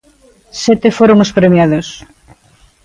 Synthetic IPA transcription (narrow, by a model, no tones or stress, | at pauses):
sɛt̪efoɾoŋospɾemjaðos